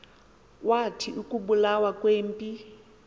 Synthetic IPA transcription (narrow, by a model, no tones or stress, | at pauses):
watʰiukʼubulawakʼweːm̩pʼi